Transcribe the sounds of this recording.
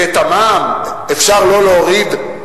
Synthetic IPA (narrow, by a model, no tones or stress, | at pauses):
et̪amaːm | efʃaʁlo̞leoʁid̪